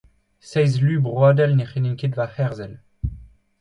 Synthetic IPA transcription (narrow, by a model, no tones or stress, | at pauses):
sɛjzlybʁwaːd̪ɛlneχeninkʲed̪vafɛʁzɛl